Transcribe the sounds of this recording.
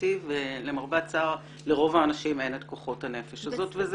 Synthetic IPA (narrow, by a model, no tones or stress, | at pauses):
ivelemaʁbat͡saʁ | le̞ʁo̞vaːnaʃime̞net̪koχo̞thane̞feʃazo̞tvez